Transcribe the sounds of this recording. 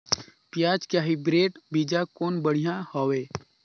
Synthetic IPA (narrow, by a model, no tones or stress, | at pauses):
pjaːd͡ʒkjaːɦibɾeːʈbiːd͡ʒakoːnbəɽ̤ijãhoːweː